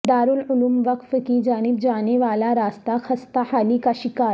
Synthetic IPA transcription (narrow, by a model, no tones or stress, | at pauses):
d̪aːɾuːluluːmʋəkfkid͡ʒaːnib̚d͡ʒaːneʋaːlaɾaːst̪axɐst̪ahaːliːkaʃikaːɾ